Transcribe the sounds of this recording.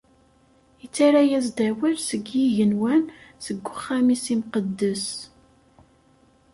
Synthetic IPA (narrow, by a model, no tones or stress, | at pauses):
ət͡sːaɾæjæzd̪æwiɾsəɡjiʝənwænsəɡːʊχːæmisimqəd̪ːəs